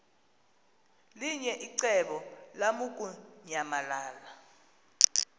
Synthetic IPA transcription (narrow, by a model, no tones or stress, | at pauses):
liɲɛʔiǀɛɓɔlamuk̬ʼuɲamalaːla